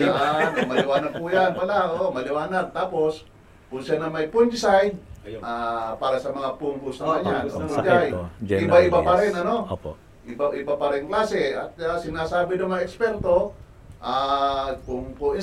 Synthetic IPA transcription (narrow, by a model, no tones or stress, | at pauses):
malɪwaːnaɡ̪̚pʊjanpalaoomalɪwaːnad̪̚t̪aːpos | kʊnsjanamajpʊnɪsajʔapaːɾasɐmɐŋapuŋɡʊsawaɲanad͡ʒajɪbaɪbapaɾɪnano | ʔɪbaʔɪbapaɾɪŋklaːsɪat̪̚asɪnaːsaːbɪd̪omaŋaɛkspɛɾt̪o | ʔakʊŋpʊɪ